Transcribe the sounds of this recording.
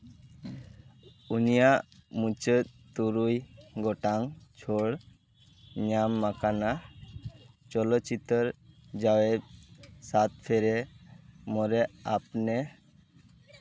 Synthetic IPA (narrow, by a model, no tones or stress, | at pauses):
unijaʔmũt͡ʃət̪̚t̪uɾujɡɔʈaŋt͡ʃʰoɽ | ɲamːakana | t͡ʃɔlɔt̪̚ːt͡ʃit̪əɾd͡ʒawɛt̪̚sat̪̚pʰɛɾɛ | mɔɾɛʔapnɛ